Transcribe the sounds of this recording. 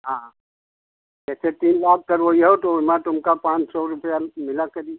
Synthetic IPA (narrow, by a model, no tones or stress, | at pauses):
ɦãː | d͡ʒɛːset̪iːnbaːɡ̚kɐɾʋoiɦot̪omãt̪ʊmkapãːt͡ʃsɔɾʊpəjamɪlakɐɾi